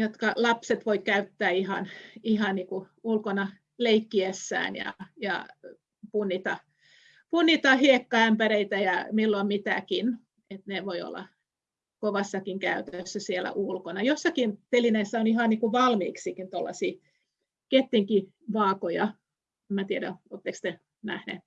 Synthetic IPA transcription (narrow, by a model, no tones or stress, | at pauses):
jot̪kɑlɑpset̪ʋoikæyt̪ːæːihɑnihɑnniːku | ulkonɑ | leikːiesːæ̰ːnjɑ̰jɑ̰ | punːit̪ɑ | punːit̪ɑhiekːɑæmpæɾeit̪æjɑmilːoimmit̪æ̰kin | et̪neʋoio̰lːɑ̰ | koʋɑsːɑkiŋkæyt̪øsːæsielæ̰ʔulkonɑjosːɑkint̪elineisːæonihɑnniːkuʋɑlmḭːksiːkint̪olːɑ̰siː | ket̪ːiŋki | ʋɑːkojɑ | emːæt̪ieɾæoːt̪ːekst̪e | næ̰hnḛːt̪